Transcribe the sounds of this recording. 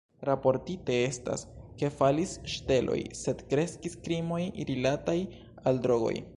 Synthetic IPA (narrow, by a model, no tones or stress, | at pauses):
ɾapo̞ɾtite̞e̞sta̰ske̞falisʃte̞lʔo̞̰jse̞dkɾe̞skiskɾimo̞jiɾilataj | aldɾo̞ɡo̞̰j